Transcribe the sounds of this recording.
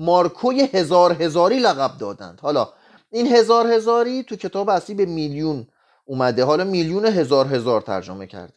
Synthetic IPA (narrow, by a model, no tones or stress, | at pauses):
mɒːɾkʰojehezɒːɾɦe̞zɒːɾiːlæɣæb̚d̪ɒːd̪æ̰nd̪̥hɒːlɒː | inhe̞zɒːɾhe̞zɒːɾiːt̪ʰucʰe̞t̪ʰɒːbeæsliːbemiːljun | uːmæd̪eɦɒːlɒːmiːljuːneɦe̞zɒːɾɦe̞zɒːɾt̪ʰæ̰ɾd͡ʒomecʰæ̰ɾd̪e